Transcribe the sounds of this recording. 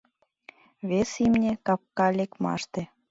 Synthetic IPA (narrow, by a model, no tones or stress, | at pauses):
βesimnʲekɑp̚kɑlʲekmɑ̰ʃt̪ĕ